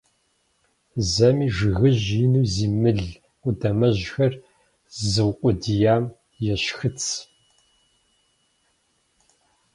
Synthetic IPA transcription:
zɐmiːʐɨɣɨʑjɪnuːziːmɨɮʷ | ʊdɐmɐʑxɐr | zɨwqʷʼʊdijaːm | jɛɕxɨt͡sʰ

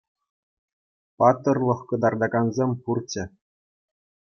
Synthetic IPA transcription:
pɑt̪ːɤ̆rlˠɤ̆χkɤ̆d̪ɑrd̪ɑɡɑnzʲemʲpurt͡ɕɘ̆

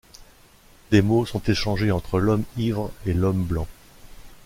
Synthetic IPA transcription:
d̪emosɔ̃t̪eʃɑ̃ʒeɑ̃t̪χəlɔmivʁelɔmblɑ̃

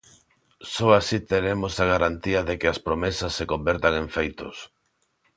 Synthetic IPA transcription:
sɔasit̪eɾemosaɣ̞aɾant̪iɐðekɪaspɾomesɐsːekombeɾt̪aŋeɱfejt̪os

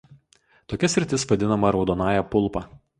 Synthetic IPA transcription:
t̪oːkʲɛsʲɾʲɪt̪ʲɪsʋɐd̪ʲɪnɐmɐɾɒʊd̪oːnɑːjɛpʊlˠˑpɑː

